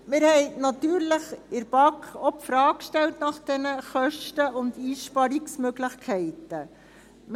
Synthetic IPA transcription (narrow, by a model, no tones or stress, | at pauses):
mɪːɾhɛɪnɑt̪yːɾləχɪɾb̥ɑkɔpfɾɑːkkʃtɛltnɑχd̥ɛnəχœʃtəʊndiːʃpɑɾiksmøɡləχkʰɛɪtə | m